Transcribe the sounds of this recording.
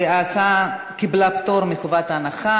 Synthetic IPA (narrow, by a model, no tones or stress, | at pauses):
at͡sa | kiblapt̪oɾmiχovat̪anaχa